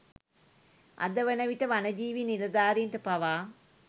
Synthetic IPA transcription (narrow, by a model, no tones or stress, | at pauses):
ɐ̰d̪əʋənɐʋiʈəʋanɐd͡ʒiːʋinilɐd̪aːɾiɳʈəpɐʋaː